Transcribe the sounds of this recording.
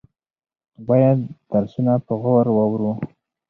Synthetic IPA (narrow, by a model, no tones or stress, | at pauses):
bɑjad̪d̪̥aɾsunapəɣawaɾwɑwɾu